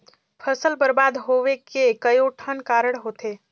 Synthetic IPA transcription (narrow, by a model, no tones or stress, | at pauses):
pʰəsəlbəɾbad̪ɦoʋekekəjoʈʰənkaɾəɽɦot̪ʰe